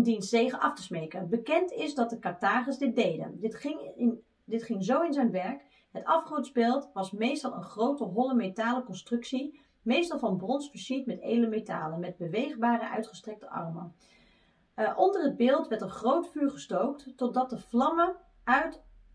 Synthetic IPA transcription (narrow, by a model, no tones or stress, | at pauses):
ndinsejχəʔɑftəsmejkənbəkɛntɪzdɑt̚dəkɑɹtaːχəsdɪt̚dejdə̰ndɪtɪŋn | dɪtχɪŋzowɪnzɛjnʋɛɹk | ɦətɑfχoɹtzbelˠtʋɑsmejstɑlˠə̰nχrowtəɦɔləmetaːləkɔnstrɵksi | mejstɑlˠvɑnbrɔnsfəsitmɛtejdləmeta̰ːlənmɛd̚bəʋejχbaːɾəʔœ̰ɥtχəstrɛk̚təʔɑ̰rmən | ʔɔndərɦəd̚bɪːlˠtʋɛɹtənχrowtfyːɹχəstowkttɔt̚dɑt̚dəvlɑmə | œɥt